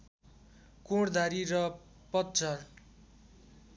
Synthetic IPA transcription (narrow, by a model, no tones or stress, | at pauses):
koɽd̪ʱaɾiɾʌ | pʌt̪̚d͡zʌr